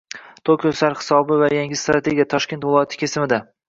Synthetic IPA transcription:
t̪ʰokʰʲosaɾhɪ̥sɒbɪvajaŋʲɪst̪ɾat̪ʰe̞ɡʲijat̪ʰɒʃkʲe̞nt̪vɪlˠɒjat̪ʰɪ̥kʲʰesɪmɪd̪a

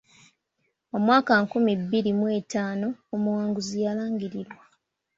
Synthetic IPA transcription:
omwaːkaŋkumibːiɾimwe̞ːtaːno̞omuwaːŋɡuzijalaːŋɡiɾiɾwa

